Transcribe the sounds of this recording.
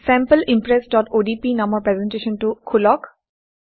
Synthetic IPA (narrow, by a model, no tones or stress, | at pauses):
sɛ̃mpəlʔimpɾesɖɔʈoɖipinamɔɾpɾezenʈeʃɔnʈukʰulɔk